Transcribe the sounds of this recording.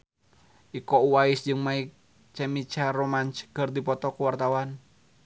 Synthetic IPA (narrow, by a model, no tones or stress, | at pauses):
ʔikɔuwaɪsd͡ʒɨŋmaik̚ | t͡ʃɛmit͡ʃaromant͡ʃɡərd̪ipɔt̪ɔkuwart̪awan